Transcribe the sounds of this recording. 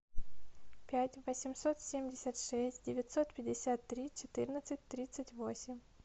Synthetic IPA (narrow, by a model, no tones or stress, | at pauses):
pʲætʲvəsʲɪmso̞t̪sʲemʲdʲɪsʲət̪ʂɛsʲtʲdʲɪvʲɪt̪ʲsot̪pʲɪdʲɪsʲat̪ːɾʲit͡ɕɪt̪ɨrnət̪sɨt̚ʲt̪ɾʲit̪sɨtʲvosʲɪmʲ